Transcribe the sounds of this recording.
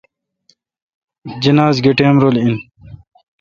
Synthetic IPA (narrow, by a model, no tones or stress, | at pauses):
d͡ʑinaːzɡeʈeːmɾoːlin